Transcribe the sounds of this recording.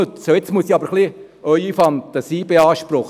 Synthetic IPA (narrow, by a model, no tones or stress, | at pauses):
øt͡soet͡smuəsiɑbəɾχli | œʏifɑnt̪əsiːbeɑːʃpɾʊχ